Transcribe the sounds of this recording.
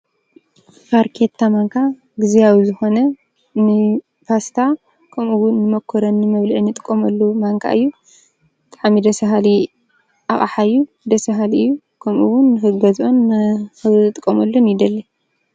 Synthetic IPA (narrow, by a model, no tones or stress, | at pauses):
faɾkʰet̪ʰːamaŋkʰa | ɡɨzijawizɨxo̞nɐ | nɨ | pʰast̪ʰa | kʰɐmuwʊnːɨmokʰːoɾɐnːɨmɐβlɐʔɨnːɨt̪ʼɨkʼːɐmɐlːumaŋkʰa̰ʔɨjːu | t̪ʰʼaʕmid̪ɐsɐɦali | ʔaχʼa̰ħaɨjːu | d̪ɐsɐɦaliɨjːu | kʰɐmʔṵwʊnːɨxɨɡɐzonɨt̪ʼɨkʼːɐmɐlːonjid̪ɐlːɐ